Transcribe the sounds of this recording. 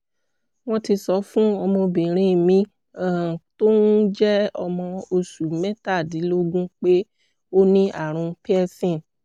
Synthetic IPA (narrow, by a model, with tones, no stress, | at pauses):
w̃ɔ̃˧ti˧sɔ˧˦fũ˦ɔ˧mɔ̃˧bĩ˨ɾ̃ĩ˧˨mĩ˧ | a˦˨to˦n̩˦d͡ʒɛ˦ɔ˧mɔ̃˧o˧su˨mɛ̃˦ta˦˨di˨˦lo˦ɡũ˦k͡pe˦ | o˦nĩ˦ʔa̰˦˨ɾ̃ũ˨˧pi˦ɛ˦sĩ˦˨n